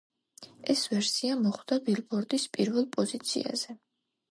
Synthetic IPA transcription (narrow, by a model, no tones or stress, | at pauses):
ɛsvɛɾsiamɔχwd̪̥abilˠbɔɾd̪ispʼiɾvɛlˠpʼɔzit̪sʰḭa̰zɛ